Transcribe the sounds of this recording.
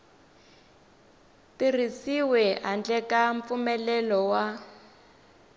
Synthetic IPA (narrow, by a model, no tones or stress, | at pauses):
tirisiwɛɦand͡ɮɛkaɱp̪fumɛlɛlɔwa